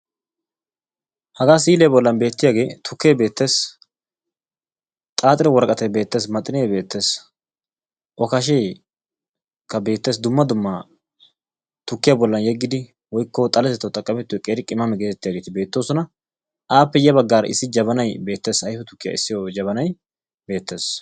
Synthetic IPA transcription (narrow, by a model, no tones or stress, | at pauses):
hɐɡaːs̬iːlejbɔlːɐnbeːt̪ːɪjaːɡe̞ːt̪ʰʊkːeːbe̞ːt̪ːe̞ːs | t̪ʼaːt̪ʼɪɾɛwɔɾkʼɐt̪ɛjbe̞ːt̪ːe̞ːsmɐt̪ʼːɪnejbe̞ːt̪ːe̞ːs | ʔɔkɐʃ̬ej | kːɐbe̞ːt̪ːeːs̬d̪ʊmːɐd̪ʊmːɐ | t̪ʊkːɪjabɔlːɐnjɛɡːɪd̪ɪ | wɔjkːɔt̪ʼɐlɛsɛt̪ːɐt̪ʼɐkʼːɐmɛt̪ːʊɛkʼeːɾɪkʼɪmːɐmɛɡet̪ɛt̪ːɪjaːɡeːt̪ɪbe̞ːt̪ːo̞ːsɔnɐ | ʔaːpːɛjɛbɐɡːaːɾɐʔɪ̰sːɪd͡ʒɐβɐnɐjbe̞ːt̪ːe̞ːsɐjfɛt̪ʊkːɪja̰ːɪsːɪjod͡ʒɐβɐnɐj | be̞ːt̪ːe̞ːs